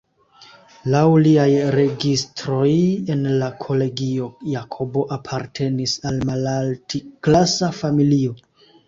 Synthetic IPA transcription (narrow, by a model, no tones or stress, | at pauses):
lawliajɾe̞ɡistɾo̞je̞nlakʰo̞le̞ɡio̞jakʰo̞bo̞ʔapʰaɾtʰe̞nisalmalaltʰiklasafamilio̞